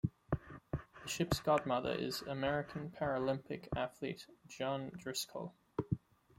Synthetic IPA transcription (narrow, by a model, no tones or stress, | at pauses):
ðəʃɪpsɡ̥ɑd̚mʌðə̰˞ʔɪ̰zəmɛɹɪkʰə̃n̩pʰæɹəlɪ̃mpɨ̰kʰæθlḭtd̥ʒ̥ɑ̃ndɹɪskʰl̩ˠ